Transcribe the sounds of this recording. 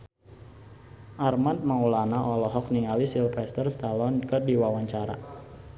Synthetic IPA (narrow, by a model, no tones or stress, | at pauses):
ʔarmant̪̚maulanaʔɔlɔɦɔk̚niŋalisilfɛst̪ərst̪alɔnkərdiwawaɲt͡ʃaɾa̰